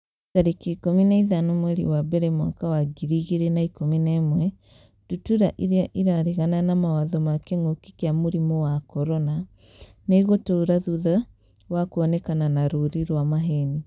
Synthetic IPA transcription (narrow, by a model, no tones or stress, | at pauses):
taɾekiːkominaiðanomwɛɾḭwabɛɾɛmwa̰kawaɡiɾiɣiɾɛnaikominaːmwɛ | d̥utuɾaʔiɾeaʔiɾaɾeɣananamawaðɔmakeŋokikeamoɾimowakɔɾɔna | neiɣotoːɾaðuða | wakuɔnɛkananaɾoɾiɾwamaɦeni